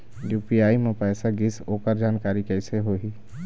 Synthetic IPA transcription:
juːpiaːimẽpɛːsaɡɪsoːkəɾd͡ʒaːnkaːɾikɛɪseɦoːɦi

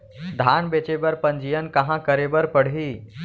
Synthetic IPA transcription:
d̪ʱaːnbet͡ʃebəɾpə̃nd͡ʒijənkɐ̃ɦãkəɾebəɾpəɽ̤ɦiː

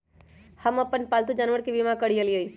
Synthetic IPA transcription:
həməpənpalt̪ud͡ʒanʋəɽkibimãkəɽijələi

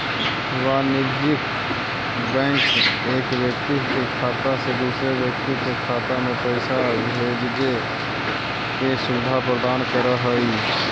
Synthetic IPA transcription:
ʋanɪɾd͡ʒɪk | bɛ̃ːŋk | eːkwjək̚t̪ikekʰaːt̪asebiseʋjək̚t̪ikekʰaːt̪amẽpəɪsa | ɦed͡ʒɡe | kesʊbɪd̪ʱapɾəd̪aːnkəɾəɦəi

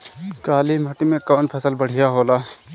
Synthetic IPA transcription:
kaːlimɐʈimẽkɔːnpʰɐsəlbəɽ̤ijaɦoːlaː

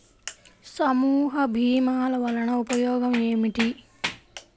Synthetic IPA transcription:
sɐmuːɦɐbʱiːmaːlɐʋɐlɐnɐupɐjɔːɡɐmeːmiʈi

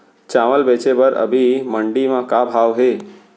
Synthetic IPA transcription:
t͡ʃaːməlbeːt͡ʃebəɾʔə̰bʱiməɳɖimãkabʱaːʋɦeː

